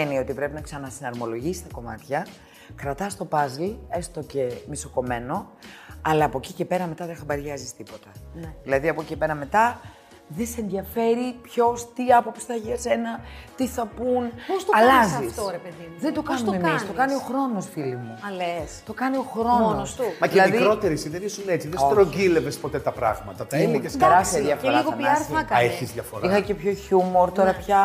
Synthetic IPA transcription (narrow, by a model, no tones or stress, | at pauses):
enio̞t̪ipɾe̞pinɐksɐnɐsinɐɾmo̞lo̞ʝisi̥st̪ɐko̞mɐ̰t̪çɐ | kɾɐt̪ɐst̪o̞pɐzlie̞st̪o̞ce̞miso̞ko̞me̞no̞ɐlɐːpo̞cice̞pe̞ɾɐme̞t̪ɐðexɐbɐɾʝɐzist̪ipo̞t̪ɐnðilɐðiɐpociepe̞ɾɐme̞t̪ɐ | ðeseenðiɐfe̞ɾipço̞st̪iɐpo̞psi̥θɐeçiʝɐse̞nɐt̪iθɐpunpost̪oɐlɐzɐift̪oɾepeðimuðend̪o̞kɐsnut̪memist̪o̞kɐnio̞xɾo̞nosfilimuɐlest̪o̞kɐnio̞xɾo̞nosmɐðilɐmiðikɾɾo̞t̪eɾisiðenisunet͡siðest̪ɾoɟile̞vespo̞t̪et̪ɐpɾɐ̰ɣmɐt̪ɐt̪ɐimecesɾɐsiɐðjɐfɾlɐiɣoɐiɐɾɐkɐeçizðʝɐfoɾixɐce̞pço̞çumo̞ɾt̪o̞ɾɐpçɐ